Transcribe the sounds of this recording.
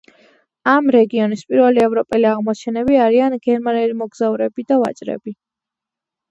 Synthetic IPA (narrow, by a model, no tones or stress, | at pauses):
amɾɛɡiɔnispʼiɾvɛliɛvɾɔpʼɛliaʁmɔt͡ʃʰɛnɛbiaɾianɡɛɾmanɛlimɔɡzauɾɛbid̪ava̰t͡ʃʼɾɛ̰bi